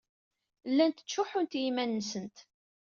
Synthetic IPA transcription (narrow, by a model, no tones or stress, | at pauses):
lːænt̪ə̥t͡ʃːʊħʊnt̪jimænːəsənt̪